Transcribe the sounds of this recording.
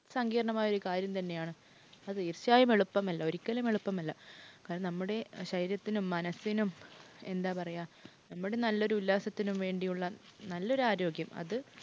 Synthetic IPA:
sɐŋɡiːɾɐɳɐmaːjɐo̞ɾukaːɾjɐmt̪ɐnːe̞jaːɳɨ | ɐðɨirɕjaːjɐme̞ɭupːɐmɐlːɐo̞ɾikʲːɐlɐme̞ɭupːɐmɐlːɐkaːɾɐnmnɐmːuɽe̞ɕɐjiɾjɐt̪ːinumːɐnɐsːinume̞nd̪aːpɐrɐjaːnɐmːuɽe̞nɐlːo̞ɾuulːaːsɐt̪ːinumʋe̞ːɳɖijuɭːɐnɐlːo̞ɾuaːɾo̞ːɡjɐmɐ̰ðɨ

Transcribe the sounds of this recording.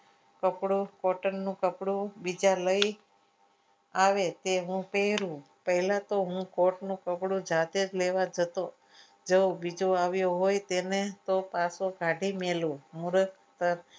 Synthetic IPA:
kəpɽukɔʈənːũkəpɽũbid͡ʒaləi | aʋet̪eɦũpeɦɾũ | pəɦlat̪oɦũkoʈnũkəpɽũd͡ʒad̪ed͡ʒleʋad͡ʒət̪o | d͡ʒəwbid͡ʒoaʋjoɦojt̪enet̪opasoɡʱaɖʱimelũmuɾək | t̪əɾ

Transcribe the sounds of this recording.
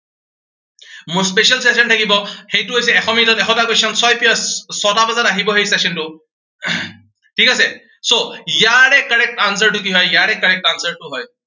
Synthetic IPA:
muspesialses̬ɔntʰakibɔxejtʊɦojs̬ɛɛxʰɔmitɔtɛkʰɔtakosɔnsɔjpɔsɔtabazataɦibɔɦejsesɔntʊ | tʰikasɛ | sojaɹɛkːaɹɛk̚tans̬aɹtʊk̬iɦɔjjaɹɛkːaɹɛk̚tansaɹtʊɦɔj

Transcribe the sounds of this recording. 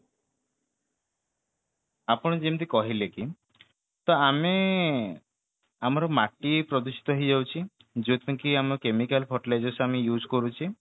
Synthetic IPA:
apɔɽ̃ɔd͡ʒemt̪̬ikɔɦileki | t̪ɔame | amɔɾɔmaʈipɾɔd̪usi̥t̪ɔɦid͡ʒawt͡ʃʰi | d͡ʒot̪ʰiŋkiamɔɾɔkemikalpʰɔʈled͡ʒɔsamijud͡ʒkɔɾut͡ʃʰi

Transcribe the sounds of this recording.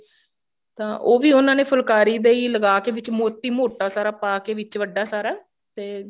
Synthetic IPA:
t̪ãːʔoːʋiːʊnãːneːpʰʊlkaːɾiːd̪eːiːləɡaːkeːʋɪt͡ʃmoːt̪ːiːmoːʈaːsaːɾaːpaːkeːʋɪt͡ʃʋəɖːaːsaːɾaː | t̪eː

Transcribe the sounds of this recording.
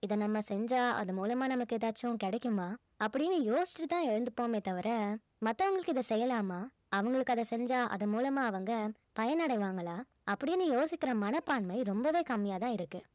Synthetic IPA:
ɪðɐnɐmːɐsɛɲd͡ʒaːɐ̰ðɯmuːlɐmaːnɐmɐkːɯɪðaːt͡ʃːʊ̃kɛɽɛkːɯmaː | ɐpːɐɽɪnːɯjoːsɪ̥t͡ʃːɯt̪ãːɛɻɯnd̪ɯpːoːmeːt̪ːɐʋɐɾɐ | mɐt̪ːɐʋɐŋɡɐɭɯkːɯɪðɐsɛjːɐlaːmaː | ɐʋɐŋɡɐɭɯkːɐðɐsɛɲd͡ʒaːʔɐ̰ðɐmuːlɐmaːɐʋɐŋɡɐ | pɐjɐnɐɽɐɪʋaːŋɡɐlaː | ɐpːɐɽɪnːɯjoːsɪkːɪɾɐmɐnɐpːaːnmɐɪɾɔmbɐʋeːkɐmːɪjaːt̪ãːɪɾɯkːɯ

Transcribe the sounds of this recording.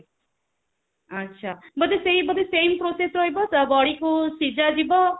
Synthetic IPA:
ʌtːʃʰabʌd̪esejbʌd̪esempɾosesɾʌɦjbɔsʌbɔɽikosid͡ʒad͡ʒibɔ

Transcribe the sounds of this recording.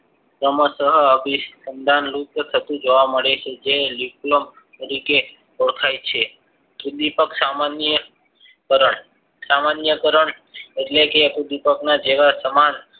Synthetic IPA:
kɾəməsəɦəbʱisənd̪ʱanlukət̪ʰət̪ũd͡ʒoʋaməɽet͡ʃʰed͡ʒeliplom | t̪əɾike | ok̪ʰajt͡ʃʰe | pud̪ipəksamanjə | kəɾəɳ | samanjəkəɾəɳ | eʈlekepud̪ipəknad͡ʒeʋasəman

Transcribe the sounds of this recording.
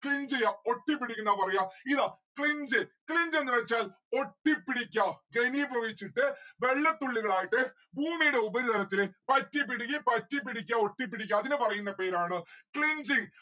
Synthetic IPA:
kɭiɲd͡ʑɐjaoʈːipːiɽikʲːunːaːpɐrɐjaːiðaːkɭiɲd͡ʑɨkɭiɲd͡ʑe̞nːɨʋet͡ɕːaːl | oʈːipːiɽikʲːaɡeniboɣit͡ɕːiʈːɨʋeɭːɐt̪ːuɭːiɣɐɭaːjiʈːɨ | bʱuːmijuɽe̞ubɐɾit̪ʰɐɾɐt̪ːilpɐtːip̬ːiɽik̬ʲːipɐtːip̬ːiɽik̬ʲːɐo̞ʈːip̬ːiɽik̬ʲːɐɐðinɨpɐrɐjunːɐpeːɾaːɳɨkɭiɲd͡ʑiŋ

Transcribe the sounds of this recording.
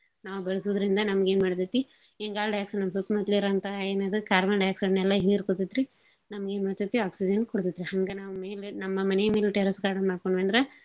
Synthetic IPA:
naːʋubɛɭɐsod̪ɐɾind̪ɐnɐmɐɡeːnmaːɽt̪it̪ːi | eŋɡaːlɖɐjaːksɐnɐmːɐsut̪mɐt̪liɾɐɐnt̪ɐeːnad̪ɐkaːɾmɐnɖɐjaksɐnːɛlːɐɦiːɾkot̪id̪ɾi | nɐmɐɡeːnmaːɽt̪it̪ːiaːksid͡ʒɐnkoɽt̪id̪ɾiɦɐŋɡɐnaːʋumeːlenɐmːɐmɐnɛjɐme̞ːlʈeɾɐskaːɽɐnmaːɽkoɳɖʋɐɳd̪ɾɐ

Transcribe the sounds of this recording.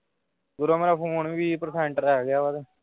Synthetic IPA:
ɡʊɾaːmeːɾaːpʰõːoniːbiːpəɾsɛ̃ːɳʈəɾɛːɡɪjaːʋad̪e

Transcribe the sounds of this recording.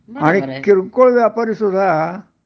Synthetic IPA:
aɽ̃ikiɾkoɭʋjapaɾiːsud̪ʱa

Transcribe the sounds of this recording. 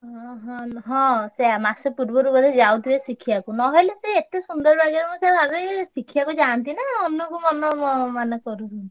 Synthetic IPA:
ɦɔ̃ɦɔ̃ɦɔ̃seamasepuɾbɔɾubɔɾed͡ʒawt̪ʰibesikʰiakunɔɦɔjleseːt̪esund̪ɔɾbaɡeɾɔmɔ̃sebʱabesikʰiakud͡ʒant̪inaonukumɔnɔmɔmanekɔɾuɦu

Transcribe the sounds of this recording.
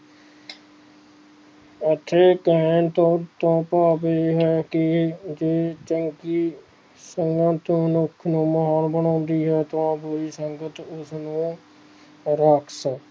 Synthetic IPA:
ət̪ʰːeːkɛːnt̪oːt̪õːpaːpeɦɛːkɪd͡ʒeːt͡ʃəŋkiː | səŋɡãt̪ːnʊkʰnũːməɦaːnbəɳɔ̃ːnd̪iːɦɛːt̪ʋãːbʊɾiːsəŋɡət̪ʊsnũː | ɾəkʰsə

